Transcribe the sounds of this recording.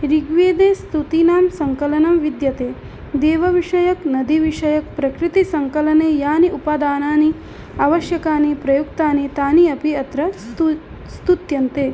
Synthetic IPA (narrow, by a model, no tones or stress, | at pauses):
ɾiɡʋeːd̪eːst̪ut̪inaːmsɐŋkɐlɐnɐmʋid̪jɐt̪eː | d̪eːʋɐʋiʂɐjɐknɐd̪iʋiʂɐjɐk̚pɾɐkɾit̪isɐŋkɐlɐneːjaːniʔupad̪aːnaːni | ɐːʋɐʃjɐkaːnipɾɐjuk̚t̪aːnit̪aːniɐpiɐt̪ɾɐ | st̪ut̪jɐnt̪eː